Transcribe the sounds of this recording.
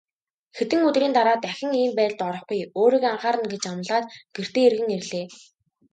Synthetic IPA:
xet̪ɘ̆ŋɵt̪riːnt̪aɾaːt̪æxʲɪ̆ŋiːmpæːɮt̪ɔɾɞ̆χɡʊjoːɾiːkaɴχaːɾə̆nɡet͡ɕam̆ɮaːt̪ɡ̥er̥t̪eːerɣɘ̆ŋerɮeː

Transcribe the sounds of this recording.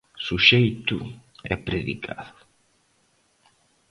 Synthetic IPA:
suʃejt̪u | ɛpɾeðḭkʰa̰ðʊ

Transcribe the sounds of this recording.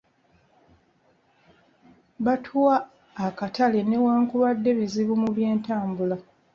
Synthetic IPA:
βatʰuwaː | katale̞ne̞waːŋkuβadːe̞βiziβumuβje̞ːntaːmbula

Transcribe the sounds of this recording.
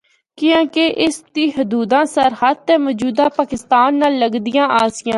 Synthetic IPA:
kɪjãːkeʔɪsd̪iːɦʊd̪uːd̪ãːsəɾhət̪̚t̪ɛ̃ːmɔːd͡ʒuːd̪aːpaːkɪst̪aːnːaːlːəɡd̪ɪjãːʔaːsɪjãː

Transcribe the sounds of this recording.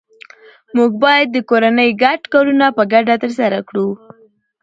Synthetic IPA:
muɡ̚bɑjad̪̚ːəkoɾanəjɡaʈkɑɾunapəɡaɖat̪əɾsaɾakɽu

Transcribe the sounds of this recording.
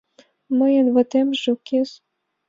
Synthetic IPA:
mə̆jə̆nβɤ̆t̪emʒŏkes

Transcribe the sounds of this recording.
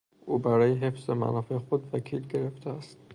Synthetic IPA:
ʔubaɾɔjiɦefz̥ɪma̰nɔfiχud̪vakʰilɡeɾɪft̪ʰaast̪

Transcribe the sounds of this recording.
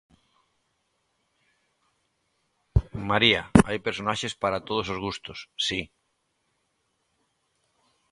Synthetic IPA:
maɾiaajpeɾsonaʃespaɾat̪oð̞osozɣust̪osːi

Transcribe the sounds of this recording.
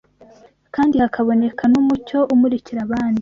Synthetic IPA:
kaːndihakʰaβo̞ne̞kʰanumuco̞ʔumuɾiciɾaβaːndi

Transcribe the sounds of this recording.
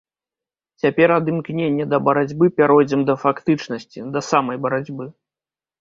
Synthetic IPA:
t͡sʲapʲɛɾɐd̪ɨmknʲenʲːɐd̪ɐbɐɾad͡zʲbɨpʲaɾɔjd͡zʲɛmd̪ɐfakt̪ɨt͡ʂnɐsʲt͡sʲid̪ɐsamɐjbɐɾad͡zʲbɨ

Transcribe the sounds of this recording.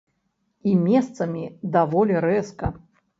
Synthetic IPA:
imʲɛst̪sɐmʲid̪avɔlʲɛɾɛskɐ

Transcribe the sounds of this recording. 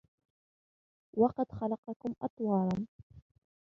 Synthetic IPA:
wɑqɑd̪xalɑqɑkʊmʔɑ̰t̪ˤwɑːɾˤɑn

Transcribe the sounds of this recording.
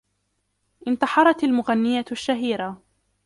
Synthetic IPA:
ʔɪnt̪ɑħɑɾˤɑt̪almʊɣanːɪjaʃːaɦiːɾa

